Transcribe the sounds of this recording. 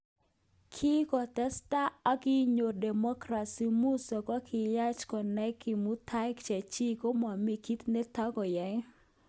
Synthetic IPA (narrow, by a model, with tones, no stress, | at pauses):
kʰɪ˦kɔ˨tɛ˦sta˦a˦kɪ˦ɲo˨dɛ˨mɔ˦kɾa˨si˨mu˦sɔ˨kɔ˦kʰɪ˨ja˦t͡ʃkɔ˨nɛ˦kɪ˨mu˦tʰa˦kt͡ʃɛ˨t͡ʃi˦ko˦ma˨mi˨ki˦t̪ne˦ta˦ɡɔ˨jɛ˨˦